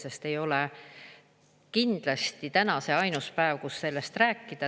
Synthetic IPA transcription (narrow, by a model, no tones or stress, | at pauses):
se̞st̪e̞jo̞le | kind̪̥lɑst̪it̪ænɑse̞ɑjnuspæeːvkusːe̞lːe̞st̪ræːkˑːid̪̥ɑ